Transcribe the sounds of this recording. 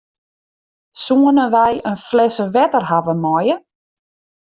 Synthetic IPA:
suənəʋɛjənflɛsəʋɛtərɦavəmɔjə

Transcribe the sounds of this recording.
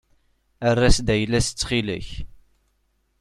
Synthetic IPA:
ərːæsd̪æjlːæsət͡sːχilə̰ç

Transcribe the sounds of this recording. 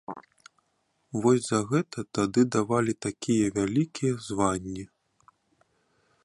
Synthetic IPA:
vɔsʲzɐɣɛt̪ɐt̪ad̪ɨd̪avalʲit̪akʲijɐvʲalʲikʲʰijɐzvanʲːi

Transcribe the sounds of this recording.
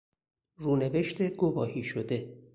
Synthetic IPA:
ruːneve̞ʃt̪ʰeɡovɒːhiːʃod̪e̞

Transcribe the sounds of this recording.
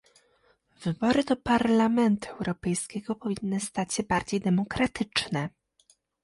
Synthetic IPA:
v̥ɘbɔɾɘd̪ɔpaɾlamɛnt̪uɛwɾɔpɛjskʲɛɡɔpɔvʲinːɘst̪at͡ɕɕɛbaɾd͡ʑejd̪ɛmɔkɾat̪ʰɘt͡ʂnɛ

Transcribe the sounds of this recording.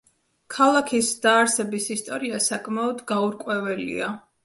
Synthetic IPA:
kʰalˠakʰisd̪̥aːɾsɛbisist̪ʼɔɾiasakʼmaɔd̪ɡauɾkʼwɛvɛlḭa

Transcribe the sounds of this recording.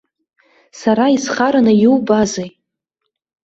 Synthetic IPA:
saɾaisχaɾanajuwbazej

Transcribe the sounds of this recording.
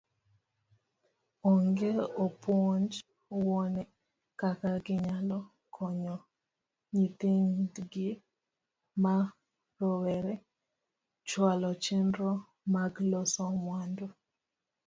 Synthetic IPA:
ɔŋɡeɔpwɔɲd͡ʒ | wɔnɛ | kakaɡɪɲalɔ | kʰɔɲɔ | ɲit̪ɪŋdɡɪ | ma | rɔwɛɾɛ | t͡ʃwalɔt͡ʃendɾɔ | maɡlosɔmwando

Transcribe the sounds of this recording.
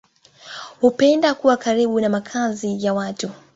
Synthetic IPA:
hupɛndakuwakaɾiɓunamakʰazijawatu

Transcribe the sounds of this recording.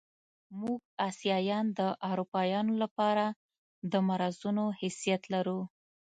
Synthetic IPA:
muɡ̚ɑsijɑjɑnd̪əʔawɾupɑjɑnolapɑɾa | d̪əmaɾazunohɪsijat̪laɾu

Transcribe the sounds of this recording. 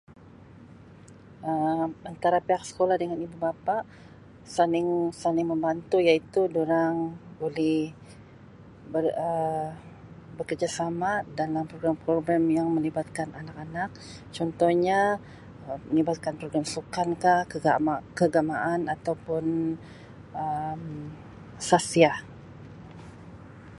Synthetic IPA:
əant̪aɾapeak̚sə̥kolahdəŋanibubapaʔ | sanɪŋsanɪŋməmbant̪ujait̪udoɾaŋbolɛh | bərə | bəkərd͡ʒasamadalampɾoɡɾampɾoɡɾamjaŋməlibat̪̚kananak̚anak̚ | t͡ʃɔnt̪ɔhɲa | əmənibat̪̚kanpɾoɡɾamsukankahkəɡamakəɡamaʔanat̪awpʊn | əm | sasia

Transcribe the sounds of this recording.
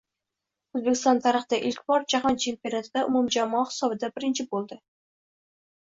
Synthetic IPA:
ɵzbekʲɪ̥st̪ɒnt̪ʰaɾəχd̪aʔɪlkʲbɒɾd͡ʒaɦɒnt͡ʃʰe̞mpʲionat̪ʰɪd̪aʔʊmumd͡ʒamɒχɨ̥sɒbɪd̪abɪɾɪnt͡ʃʰɪbolˠd̪ɪ

